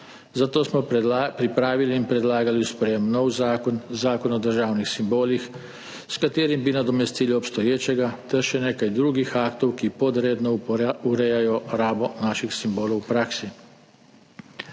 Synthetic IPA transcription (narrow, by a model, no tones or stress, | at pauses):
zat̪oːsmɔpɾipɾaːʋiliːnpɾɛd̪laːɡaliuspɾɛjemnɔwzaːkɔnzaːkɔnɔd̪əɾʒaːwnixsimboːlix | skat̪eːɾimbinad̪ɔmɛst̪iːliɔpst̪ɔjeːt͡ʃɛɡat̪ɛɾʃɛneːkajd̪ɾuːɡixaːkt̪ɔwkipɔd̪ɾeːd̪nɔuɾɛjajɔɾaːbɔnaːʃixsimboːlɐwpɾaːksi